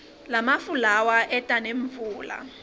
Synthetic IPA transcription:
lamafulawaʔɛtʼaneɱfuːla̰

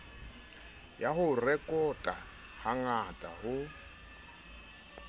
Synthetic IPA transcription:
jaɦʊrɛkʼɔtʼa | haŋatʼaɦʊ

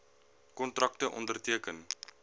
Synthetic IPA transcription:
kɔntrɐk̚təʔɔ̰ndərtiəkən

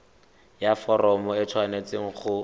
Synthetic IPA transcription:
jafɔɾɔmɔɪt͡sʰwanet͡seŋ̩χʊ

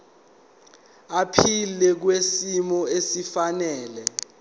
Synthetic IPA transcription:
apʰilɛk̬wesimɔesifanɛːlɛ

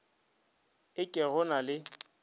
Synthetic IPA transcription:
ɪkʼɪɣʊnalɪ

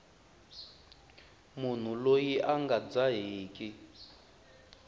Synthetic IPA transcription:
mun̤ulojiʔaŋɡad͡zaɦiːkʼi

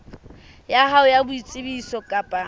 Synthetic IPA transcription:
jahaʊjabʊit͡sʼɪbisɔkʼapʼa

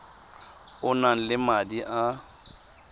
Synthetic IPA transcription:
ʊnan̩lɪmadiʔa

